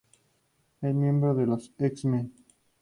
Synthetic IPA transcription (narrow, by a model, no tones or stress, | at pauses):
esmjẽ̞mbɾoðeloseksme